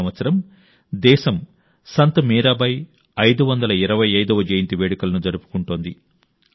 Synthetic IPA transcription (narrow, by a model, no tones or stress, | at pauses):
ɐʋɐt̪sɐɾɐm | d̪ɛːʃɐm | sɐnt̪ɐmiːɾaːbɐj | ɐjd̪uʋɐnd̪ɐlɐiɾɐʋɐjɐjd̪ɐʋɐd͡ʒɐjnt̪iʋeːɽikɐlɐnud͡ʒɐɾupu̥kuɳʈoːnd̪i